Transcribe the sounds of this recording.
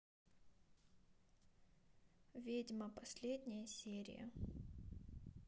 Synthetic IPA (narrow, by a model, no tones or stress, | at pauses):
vʲidʲməpɐsʲlʲedʲnʲɪjəsʲeɾʲɪ̰jə̰